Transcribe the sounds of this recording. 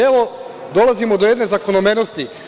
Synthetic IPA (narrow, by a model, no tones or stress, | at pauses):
eʋo̞ | d̪o̞lˠazimod̪ojed̪ne̞zakonomenost̪i